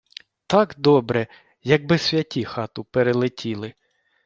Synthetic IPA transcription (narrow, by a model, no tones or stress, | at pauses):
t̪ɑkd̪ɔbɾɛ | jɐɡ̚bɪsʲʋʲjɐtʲixɑt̪ʊpeɾelˠɪtʲʰilˠɪ